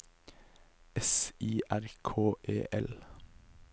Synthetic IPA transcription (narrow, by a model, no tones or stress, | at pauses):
ɛsiːʔæɾkʰoːʔḛːʔɛl